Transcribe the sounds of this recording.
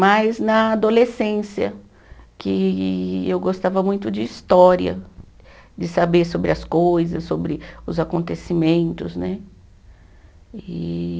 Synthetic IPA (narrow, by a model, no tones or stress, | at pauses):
majznɐad̪olesẽsjɐ̰ | kɪ | ewɡost̪avɐmũj̃t̪ʊd͡ʒɪist̪ɔɾiɐ̰ | d͡ʒɪsabeɾsobɾɪɐskojzɐsːobɾɪʊzakõnt̪esimẽnt̪ʊznɛ | i